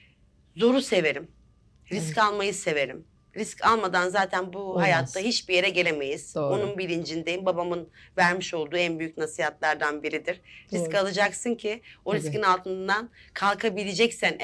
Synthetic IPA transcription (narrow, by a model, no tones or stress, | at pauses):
zo̞ɾuse̞ve̞ɾim | ɾiscalˠmajɯse̞ve̞ɾḭm | ɾiscʰalˠmad̪anzaːt̪ʰænbuɦajat̪ʰːaɦit͡ʃbije̞ɾɛɟe̞lʲeme̞jiz̥o̞nunbilʲind͡ʒind̪ejimbabamɯnvæɾmiʃo̞lˠd̪uːænbyjycnasijhat̪lˠaɾd̪anbiɾid̪iɾ̥ɾiscalˠɯd͡ʒaksɯncʰio̞ɾiscinalˠt̪ʰɯnd̪ankʰalˠkʰabilʲed͡ʒɛcsæn